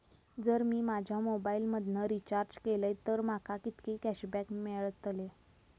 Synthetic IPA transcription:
d͡zəɾmiːmad͡ʑʱjamobailməd̪ʱnəɾit͡ɕaɾd͡ʑkeləjt̪əɾmakʰakit̪kekæɕbækmeɭət̪əle

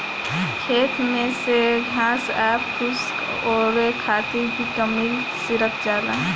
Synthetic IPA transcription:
kʰeːt̪mẽseɡʱãːsɛːpkʰʊsk | ɔːɾekʰaːt̪iɾbikəmil | seɾək̚ʰd͡ʒaːlaː

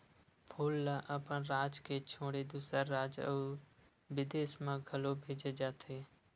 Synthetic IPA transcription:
pʰʊːlːaʔəpə̃nɾaːd͡ʒket͡ʃʰoːɽed̪uːsəɾːaːd͡ʒə̰ | ʋɪd̪eːsmãɡʱəlobʱeːd͡ʒed͡ʒaːt̪ʰeː

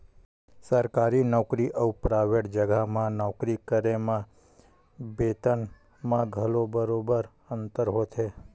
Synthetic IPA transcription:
səɾkaɾinɔkɾiʔəwpɾaʋeʈd͡ʒəɡʱamãnɔkɾikəɾemã | bet̪ən | mãɡʱəlobəɾobəɾ | ənt̪əɾɦot̪ʰe

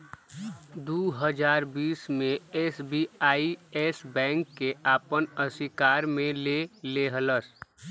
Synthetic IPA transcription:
d̪uɦəd͡ʒaːɾbiːsmẽeːsbiaːiesbɛ̃ːŋkːeʔaːpənəsikaːɾmẽleleɦələs

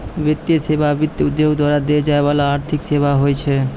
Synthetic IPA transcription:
bet̪ːisebabit̪ːiud̪ːoɡd̪ʱwaɾad̪eed͡ʑaeβalaaɾt̪ʰikseβaɦojet͡ɕʰe

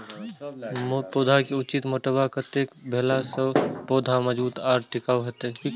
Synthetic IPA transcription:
mopoːd̪ʱakeʊt͡ʃɪt̪moːʈəbakət̪eːkbʱeːlasəpoːd̪ʱaməd͡ʒbuːt̪aːɾʈɪkaːɦət̪e

